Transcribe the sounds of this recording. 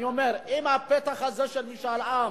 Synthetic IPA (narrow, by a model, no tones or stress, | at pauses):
jomeʁimhapet̪aχazeʃelmiʃalam